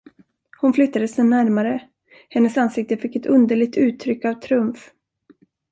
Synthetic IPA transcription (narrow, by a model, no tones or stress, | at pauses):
hʊnflʏt̪ːad̪əsɛnæɾmaɾə | hɛnːəsansɪk̚t̪əfɪkːɛt̪ɵnd̪əɭɪɡ̚t̪ʰʉ̟ːt̪ʰːɾʏkːavt̪ʰɾɪɵmf